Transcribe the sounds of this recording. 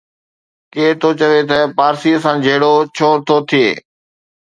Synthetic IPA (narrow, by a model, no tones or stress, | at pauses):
keːt̪ʰot͡ɕəʋet̪əpaːɾsiːəsãd͡ʑʱɐɦɪɽot͡ɕʰoːɾt̪ʰot̪ʰijḛː